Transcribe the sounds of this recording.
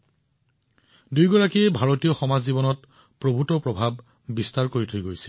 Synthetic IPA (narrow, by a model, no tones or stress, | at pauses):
dujɡɔɹakiɛbʱaɹotijɔxɔmazːibɔnɔt | pɹobʱutɔpɹɔbʱab̚ː | istaɹkoɹitʰojɡojsɛ̥